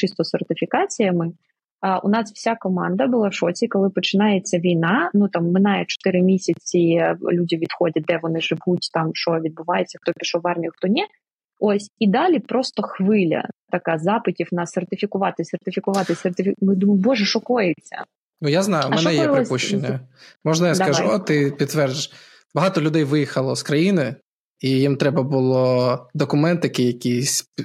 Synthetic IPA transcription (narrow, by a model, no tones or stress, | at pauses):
t͡ʃɪst̪ɔsert̪ɪfʲikɑt͡sʲijɐmɪ | ʔʊ̰nɑswsʲakɔmɑnd̪ɐbʊlˠɑfʃɔt͡sʲikɔlˠɪpɔt͡ʃɪnɑjet͡sʲːɐʋʲijnɑnut̪ɑmːɪnɑjɛt͡ʃɔ̥t̪ɪɾɪmʲisʲɐt͡sʲilʲudʲiʋʲid̪xɔdʲɐt̚d̪ɛʋɔnɪʒɪʋutʲt̪ɑmʃɔʋʲid̪̚bʊʋɑjet͡sʲːɐxt̪ɔpʲiʃɔʋɑrmʲijʊxt̪ɔnʲɛ | osʲid̪ɑlʲipɾɔst̪ɔxʋɪlʲɐ̰t̪ɐkɑzɑpɪtʲiwnɐsert̪ɪfʲikʊʋɑt̪ɪsert̪ɪfʲikʊʋɑt̪ɪsʲert̪ɪfʲimɪd̪umʊbɔʒɛʃɔkɔjet͡sʲːɐ̰ | nujaznɑjʊmɛnɛjjɛpɾˠɪpuʃt͡ʃenʲːɐmɔʒnɐjakɐʒuɔt̪ɪpʲit̪t̪ːʋɛrd͡ʒɪ | bɐɦɑt̪ɔlʲʊd̪ɛjʋɪjixɐlˠɔskɾɐjinɪ | ijimt̪ɾɛbɐbʊlˠɔd̪ɔkʊmɛnt̪ɪjɐkɪjɐkʲisʲ